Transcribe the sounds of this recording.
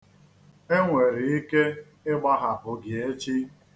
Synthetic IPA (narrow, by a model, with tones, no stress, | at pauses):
e˦ŋʷe˨ɾɪ˨i˦ke˦ | ɪ˦ɡ͡ba˦ɦa˨ɦʊ˨ɡɪ˨e˦t͡ʃi˦